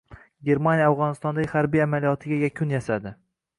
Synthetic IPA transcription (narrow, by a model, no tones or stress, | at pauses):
ɡʲe̞ɾmanʲjaawʁɒnɪst̪ɒnd̪aɡʲhaɾbijamalijɒt̪ʰɪɡʲajakʲʰʊnjasad̪ɪ